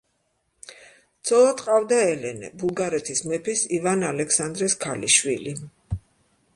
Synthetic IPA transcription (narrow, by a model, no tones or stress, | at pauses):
d̪z̥ʰɔlˠat̪ʼqʼavd̪aɛlɛnɛ̰bulˠɡaɾɛt̪ʰismɛpʰisivanalɛkʰsand̪ɾɛskʰalḭʃwḭli